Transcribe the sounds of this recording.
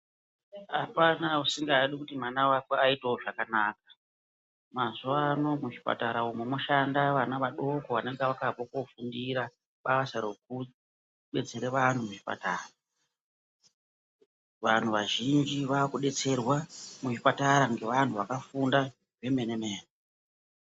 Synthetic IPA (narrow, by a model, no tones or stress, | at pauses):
apanausiŋɡaːɗikutimanawakweaiteoʐakanaːkḁ | mazuʋano̞muʐipa̰taɾaumemuʃandaʋanaʋaɗo̞ko̞ʋane̞ŋɡeʋakapokofundiɾa | ɓasaɾe̞k̚u | ɓe̞t͡se̞ɾeʋan̤umuʐipa̰taːra | ʋan̤uʋaʒind͡ʒiʋaːkuɗe̞t͡se̞rwamuʐipataɾaŋɡe̞ʋan̤uʋakafunda | ʐe̞me̞neme̞ːne